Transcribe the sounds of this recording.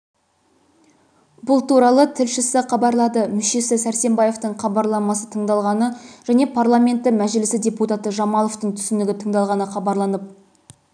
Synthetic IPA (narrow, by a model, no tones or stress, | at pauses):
bʊlˠt̪uɾɑlˠət̪ʰɪlʃɪsɪqɑbɑɾlˠɑd̪əmʏʃe̞sɪsæɾse̞mbɑje̞ft̪əɴχɑbɑɾlˠɑmɑsət̪ʰəɴd̪ɑlˠʁɑnəʒ̥æne̞pʰarlˠamʲe̞nt̪ːɪmæʒɪlɪsɪdʲe̞put̪at̪əʒɑmɑlˠoft̪əɴt̪ʰʏ̥sɪnd̪ɪɡʲɪt̪ʰəɴd̪ɑlˠʁɑnəχɑbɑɾlˠɑnəp̚